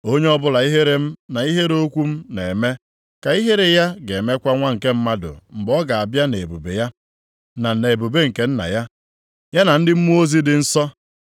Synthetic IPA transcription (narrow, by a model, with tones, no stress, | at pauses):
o˦ɲe˦ɔ˦bʊ˦la˨i˦ɦe˦ɾe˦m̩˦na˨i˦ɦe˦ɾo˦kʷu˦m̩˦ne˨e˨me˦ | ka˨i˦ɦe˦ɾe˨ja˦ɡe˨me˦kʷa˦ŋʷa˦ŋ̩˨ke˦m̩˦ma˦dʊ̰˨m̩˨bɔ˦ɡa˨a˨bja˦ne˨bu˨bḛ˨ja˦ | na˨ne˨bu˨be˦ŋ̩˨ke˦n̩˦na̰˨ja˦ | ja˦na˨n̩˦dɪ˦m̩˦mu˦o˦zi˦dɪ˨n̩˦sɔ˦